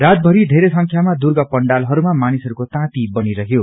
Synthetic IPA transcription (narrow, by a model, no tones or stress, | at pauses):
rad̪̚bʱʌɾid̪ʱeɾesʌŋkʰjamad̪urɡʌpʌɳɖalɦʌɾumamanisʌɾukot̪ãt̪ibʌniɾʌɦjo